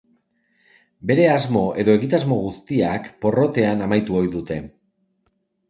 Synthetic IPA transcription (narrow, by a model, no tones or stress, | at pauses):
be̞ɾe̞azmo̞ʔe̞ðo̞e̞ɣit̪azmo̞ɣ̞ust̪iakpo̞ro̞t̪e̞anamajt̪uo̞jðut̪e̞